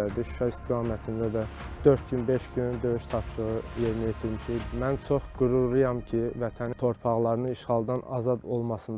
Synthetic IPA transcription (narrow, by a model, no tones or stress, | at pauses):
æd̪iʃu̥ʃɑist̪ʰiɡɑːmæt̪ʰind̪æd̪æd̪̥øɾt̪̚ɟynbe̞ʃɟynd̪ø̞yʃt̪ʰɑpʃɯʁɯje̞ɾnijet̪ʰiɾmiʃimænt͡ʃʰo̞χɡ̥uɾulˠɯjɑmcʰivæt̪ʰænt̪ʰo̞ɾpʰɑʁlˠɑɾɯnɯniʃχɑlˠd̪ɑnɑ̰zɑd̪o̞lˠmɑsɯnd̪